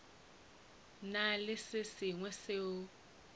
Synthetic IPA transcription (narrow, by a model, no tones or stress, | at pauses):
nalɪsɪsiŋwɛsɪ